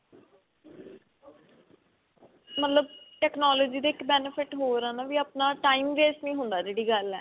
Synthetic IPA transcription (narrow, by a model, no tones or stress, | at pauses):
mət̪ləb̚ʈɛːknaːloːd͡ʒiːd̪eːɪkbɛːnəpʰɪʈɦoːɾãːnaːʋiːapnaːʈaːiːmɾeːsʈnĩːɦʊ̃nd̪aːd͡ʒeːɽiːɡəlɛː